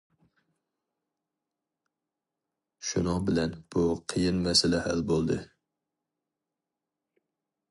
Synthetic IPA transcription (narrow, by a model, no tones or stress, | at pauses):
ʃʊnɑbɪlænb̥ʊqʰɨjɪnmæsalahalbolˠd̪ɪ